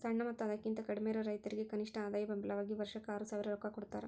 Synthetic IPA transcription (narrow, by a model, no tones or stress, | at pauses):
sɐɳːɐmɐt̪ːuɐd̪ɐkːint̪ɐkɐɽimeːɾɐɾɐjt̪ɐɾiɡe̞kɐniʂʈɐaːd̪aːjɐbɐmbʱilɐʋaːɡiʋɐɾʂɐkːɐaːɾusaːʋiɾɐɾɔkakoɽut̪ːa̰ːɾe